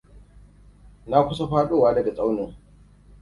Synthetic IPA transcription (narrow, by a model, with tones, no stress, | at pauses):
na˦kʷʰʊsɐfa˦ɗu˨waː˦lɐ˨ɡɐ˨t͡sʼɐ˦wno˨